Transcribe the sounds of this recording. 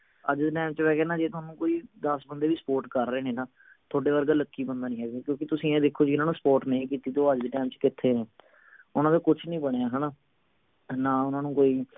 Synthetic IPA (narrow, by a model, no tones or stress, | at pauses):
əd͡ʒd̪eːʈɛːmt͡ʃʋɛːɡɛːnaːd͡ʒeːt̪ʊaːnũːkoːiːd̪əsbənd̪eːʋiːsə̥poːɾʈkəɾːeːnẽːnãː | t̪ʰoːɖeːʋəɾɡaːləkːiːbənd̪aːnĩːɦɛːɡeːkjõːkɪt̪ʊsĩːẽːd̪ekʰːoːd͡ʒɪɪnãːnũːsə̥poːɾʈnəĩːkiːt̪iːt̪oːəd͡ʒd̪eːʈɛːmt͡ʃkɪt̪ʰːeːnẽː | ʊnãːd̪eːkʊt͡ʃʰnĩːbəɽejaːɦɛːnaː | naːʊnãːnũːkoːiː